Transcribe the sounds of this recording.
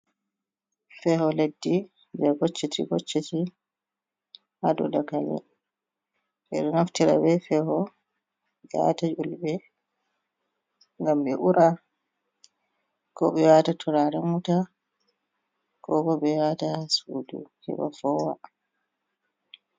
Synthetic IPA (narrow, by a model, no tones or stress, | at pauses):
fɛhɔledːi | bɛɡot͡ʃːitiɡot͡ʃːɛti | hadɔ̰dakalɛ̰ | ɓɛɗɔnaftiɾa̰bɛfɛhɔ | d͡ʒa̰tad͡ʒulbɛ | ŋɡamɓɛʔuɾʔa | kɔɓɛwaːtatʰuɾaɾɛmuta | kɔkɔbɛwatasudṵhɛ̰ba̰fɔwa̰